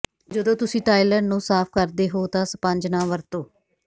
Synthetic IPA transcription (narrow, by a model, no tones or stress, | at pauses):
d͡ʒəd̪õːt̪ʊsĩːʈaːiːlə̃ːɳɖnũːsaːpʰkəɾd̪eːɦoːt̪ãːsəpəɲd͡ʒnãːʋəɾt̪õː